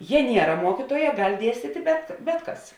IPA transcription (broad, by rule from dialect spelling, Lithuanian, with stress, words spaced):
ˈjɛ ˈnʲiɛrɐ ˈmuɔkʲɪtuɔjɛ ˈɡɐlʲ ˈdʲiɛsʲtʲiːtʲɪ bʲɛt ˈbʲɛt ˌkɐs